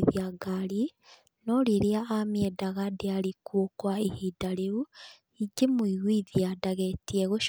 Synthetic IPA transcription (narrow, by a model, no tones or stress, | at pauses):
ðiaɡali | noliliaːmjedaɣadealikwuokwaihidaleβu | iɟimuiɣiðijadaɣetieɣuʃ